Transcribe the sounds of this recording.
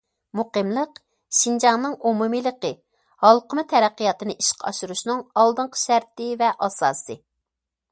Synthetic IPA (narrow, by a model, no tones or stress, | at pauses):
muqəmlˠəq | ʃind͡ʒɑŋnɨŋumumɨlˠəqə | hɑlˠqʰəmɨt̪ʰɛɾæqːijɑt̪ɨnɨʔiʃqʰɑ̰ʃuɾuʃnɨŋɑlˠd̪ɨɴqʰə̥ʃæɾt̪ɪvɛʔɑsɑ̰ːsɨ